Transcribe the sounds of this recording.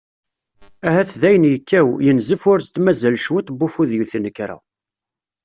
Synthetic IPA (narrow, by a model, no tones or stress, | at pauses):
æhæθðæjənjəkːæwjənzəfʊɾst̪ːmæzælʃwæt̪bːufuðjuθnəkːɾæ̰